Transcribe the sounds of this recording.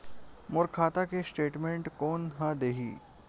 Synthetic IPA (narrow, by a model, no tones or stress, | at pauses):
mʊɾkʰaːt̪akesʈeːʈmẽɳʈkɔːnɦəd̪eɦḭː